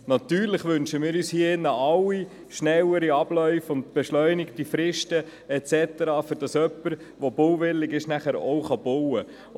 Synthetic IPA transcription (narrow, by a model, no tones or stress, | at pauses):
nɑt̪yːɾləχʋʏnʃəmɪːɾyːshiːɪnːəʔɑlwi | ʃnɛwəɾiɑb̥lœʏfʊndb̥ɛʃlœʏnɪktifɾɪʃtə | ɛt͡sɛt̪əɾɑːfʏɾd̥ɑsœpːəɾ | ʋob̥ɔwvɪlːɪɡɪʃnæχæɾowχɑbɔwə